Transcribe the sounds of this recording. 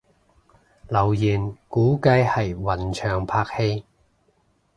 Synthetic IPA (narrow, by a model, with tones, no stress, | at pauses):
lɐ˨˩wjiː˨˩nkuː˨˥kɐ˧jhɐ˨jwɐ˨˩nt͡ʃʰœː˨ŋpʰaː˧k̚he˧j